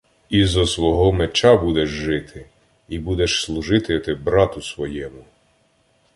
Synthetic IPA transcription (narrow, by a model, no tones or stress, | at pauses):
izɔsʋɔɦɔmet͡ʃɑbud̪ɛʒʒɪt̪ʰɪ | ibud̪ɛʃslˠuʒɪt̪ɪt̪ɪbɾɑt̪ʊsʋɔjɛmʊ